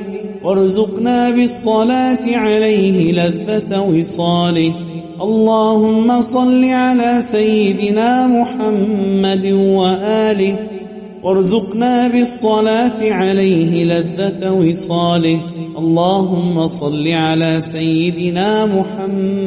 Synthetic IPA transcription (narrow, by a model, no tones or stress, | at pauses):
wɑɾˤʊzʊqnaːbɪsˤːɑlaːt̪ɪʕalajɦɪlaðːat̪wɪsˤɑːlɪh | ʔɑlˤːɑːhʊmːasˤɑlːiːʕalaːsajːɪd̪ɪnaːmʊħamːad̪waʔaːlɪh | wʔɑɾˤzʊqnaːbɪsˤːɑlaːt̪ɪʕalajɦɪlaðːat̪wɪsˤɑːlɪhʔɑlˤːɑːɦʊmːasˤɑlːiʕalaːsajːɪd̪ɪnaːmʊħam